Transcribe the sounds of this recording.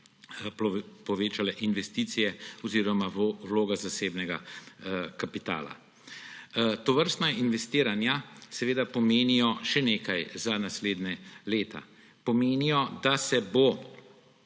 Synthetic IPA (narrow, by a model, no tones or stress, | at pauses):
pɔʋeːt͡ʃalɛʔinʋɛst̪iːt̪sijɛɔziːɾɔmawloːɡazaseːbnɛɡa̰ | kapit̪a̰ːla̰ | t̪ɔʋəɾst̪nainʋɛst̪iːɾanjasɛʋeːd̪apɔmeːnijɔʃɛneːkajzanasleːd̪nɛleːt̪a̰ | pɔmeːnijɔd̪asɛbo